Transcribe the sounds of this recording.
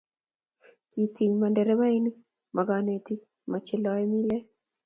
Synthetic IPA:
kiti˨ɲmandɛɾɛ˦βa˦ini˦ | mʔaɡane˨ti | mat͡ʃɛ˦lɔɛ˦mi˦lɛ˦

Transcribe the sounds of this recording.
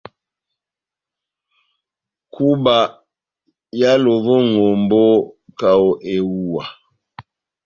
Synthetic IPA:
ku˦ba˨ | ja˦lo˨bɔ˦ŋo˨mbo˦ka˨o˨ʔe˨wu˦wa˨

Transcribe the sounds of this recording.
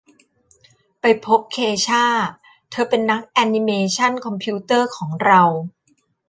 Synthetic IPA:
pa˧jpʰo˦˥p̚kʰeː˧t͡ɕʰaː˥˩ | t̪ʰɤː˧pe˧nːa˦˥k̚ʔɛ˧ni˧meː˧t͡ɕʰa˥˩nkʰɔ˧mpʰiː˦˥t̪ɤː˥˩kʰɔː˩˦ŋɾa˧w

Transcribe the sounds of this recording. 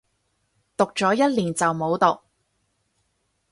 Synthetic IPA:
t̪ʊ˨k̚t͡ʃɔː˨˥jɐ˥t̚liː˨˩nt͡sɐ˨wmo˨˧wt̪ʊ˨k̚

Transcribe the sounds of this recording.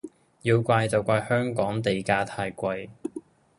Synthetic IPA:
jiː˧wkʷaː˧jt͡sɐ˨wkʷaː˧jhœː˥ŋkɔː˨˥ŋt̪e˨jkaː˧t̪ʰaː˧jkʷɐ˧j

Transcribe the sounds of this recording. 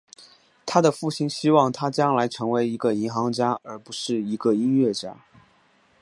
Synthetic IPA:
t̪ʰa˥d̪ə˨fu˥˩ɕi˥nɕi˥wɑ˥˩ŋt̪ʰa˥t͡ɕjɑ˥ŋla˧˥ɪʈ͡ʂʰɤ˧˥ŋwe˧˥ɪi˧˥ɡə˧i˧˥nxɑ˧˥ŋt͡ɕja˥ə˞˧˥pu˧˥ʂɻ̩˥˩i˧˥ɡə˧i˥nɥɛ˥˩t͡ɕja̰˥

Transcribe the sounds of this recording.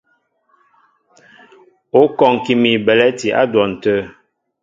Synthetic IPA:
o˨˦kɔ˨ŋ˨ki˨mi˨bɛ˨lɛ˦ti˨ʔa̰˦dwɔ˨n̩˨tə˦

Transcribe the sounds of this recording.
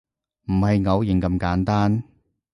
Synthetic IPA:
m̩˨˩hɐ˨jŋɐ˨˧wjɪ˨˩ŋkɐ˧mkaː˨˥nt̪aː˥n

